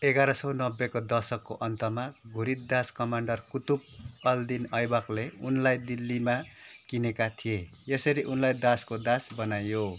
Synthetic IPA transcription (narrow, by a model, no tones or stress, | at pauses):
eɡaɾʌsʌnʌbːekod̪ʌrsʌkːoʔʌnt̪ʌmaɡʱuɾit̪̚d̪askʌmaɳɖʌrkut̪up̚ʌld̪inʌjbʌkleunlajd̪ilːimakinekat̪ʰije | jesʌɾiʔunlajd̪askod̪asbʌnajo